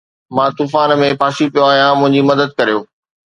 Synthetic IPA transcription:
mãt̪uːfaːnmẽpaːʃipijoaːɦijãmʊ̃ɦɪ̃ɲd͡ʑimɐd̪əd̪̚kɐɾijoː

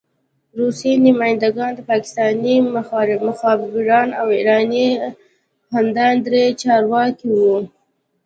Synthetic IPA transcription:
ɾusenamɑjɪnd̪aɡɑnd̪əpɑkɪ̥st̪ɑnimɾmʊxɑbbɪɾɑnawiɾɑni | hand̪ɑnd̪ɾet͡ʃɑɾwɑkiwu

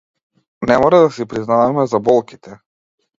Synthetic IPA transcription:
nɛmɔɾad̪asipɾiznavamɛzabɔlˠki̥t̪ʰɛ

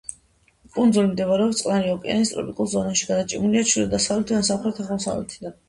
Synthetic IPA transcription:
kʼund̪zulimd̪ɛvuɾɛɔpt̪sʼqʼnaɾiɔkʼɛ̰a̰nis̬t̪ʼɾɔ̰pʼikʼulˠzɔnaʃiɡad̪at͡ʃʼimuliat͡ʃʰwilɛd̪asavlɛt̪ʰiansapχɾɛt̪ʰaχaɔsa̰vlɛ̰t̪ʰid̪an

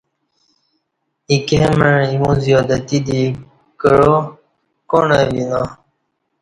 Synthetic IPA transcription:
ikeməɻimũzijoːd̪ət̪id̪i | kəɻo | koɳewinã

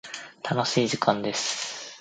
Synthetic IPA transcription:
t̪ʰano̞ɕiːd͡ʑikʰãnd̪e̞sɨ̥

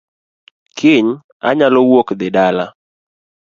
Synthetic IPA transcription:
kʰɪɲ | a̰ɲalɔwokd̪ɪdala̰

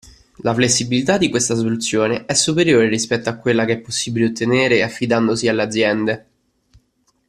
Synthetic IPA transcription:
laflesːibilit̪ad̪ːikwest̪asolut̪sːjoːneɛsːupeɾjoːɾeɾispɛt̪ːoakːwelːakeɛpːosːiːbileot̪ːeneːɾeafːid̪and̪osialːead̪zːjɛnd̪e

